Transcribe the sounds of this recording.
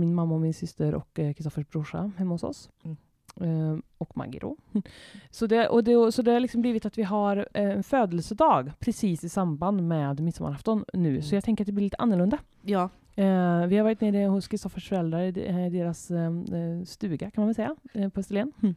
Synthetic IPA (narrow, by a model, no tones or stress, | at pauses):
mɪnmamːaɔmɪnsʏst̪əɾʔɔ̰kːkʰɾɪst̪ɔfəʂbɾʊʂa̰hɛmːahʊsɔ̰s | ɔkma̰ɡɪ̰ɾʔo̰ː | sɔd̪ɛʔɔd̪ɛsɔd̪ɛhaɾɭɪksɔmbliːvɪt̪at̪vɪɦaɾɛnføːd̪əlsəd̪ɑːɡpʰɾɛsiːsɪsamband̪mɛd̪mɪt̪sama̰ɾaft̪ɔnːʉ̟ːsɔjɑɡt̪ɛŋkəɾt̪̚d̪ɛb̪ɪlɪt̪əʔa̰nːəɭɵnd̪a | vɪhaɾvɑːɾɪt̪neːɾəhʊskʰɾɪst̪ɔfəʂfœɾɛld̪ɾaɾd̪eːɾas | st̪ʉ̟ːɡakʰanmanvɛlsɛjːapʰɔhɛst̪ɛleːn